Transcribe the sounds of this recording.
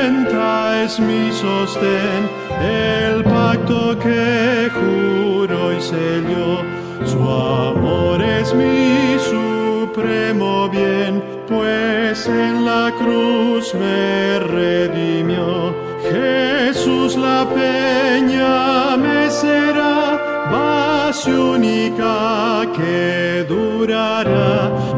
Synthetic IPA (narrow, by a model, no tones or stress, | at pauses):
nt̪aezmisost̪en | elpak̚t̪okexuɾojseʎjo | sua̰moɾezmisupɾemoβjen | pwesenlakɾuzmereðimjo | xesuzlapeɲameseɾa | βasjunika | ke | ðu | ɾa | ɾa